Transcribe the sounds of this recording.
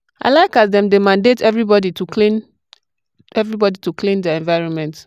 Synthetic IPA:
a̰ɪlaɪkasdɛ̃mdemãndetɛvɹibɔdituklin | ɛvɹibɔdituklĩndɛɛ̃nvaɪɹɔ̃nmɛ̃nt

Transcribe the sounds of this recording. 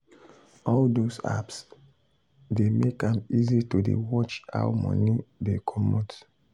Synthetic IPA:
ɔldosa̰ps | demekãmizitudḛwɔt͡ʃa̰wmɔ̰̃nidekʰɔmɔt

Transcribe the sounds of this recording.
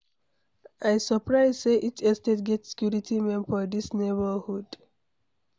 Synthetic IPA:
aɪsəpɹaɪzseʔitɛstetɡɛtsi̥kjuɹitʰimɛ̃nfɔdisnebəhud

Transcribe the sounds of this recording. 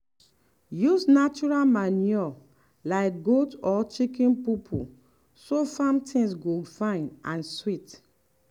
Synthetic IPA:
jusnat͡ʃuɹalmaniɔ | laɪk̚ɡotɔt͡ʃikĩnpipʰṵ | sofãmtʰĩŋsɡoɡfãɪ̃nãnswit

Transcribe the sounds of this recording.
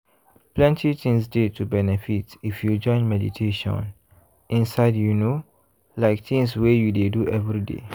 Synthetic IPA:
plɛ̃ntʰit̪ĩŋsdetʰubɛnɛfitifjud͡ʒɔ̃ɪ̃nmɛdḭtʰeʃɔ̰̃n | ʔĩnsaɪdjuno | laɪk̚t̪ĩŋswejudeduʔɛvɹidḛ

